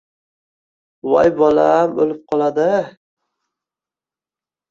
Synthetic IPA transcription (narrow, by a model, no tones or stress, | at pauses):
wa̰jbɒlamolɪp̚qʰɒlˠad̪ɪ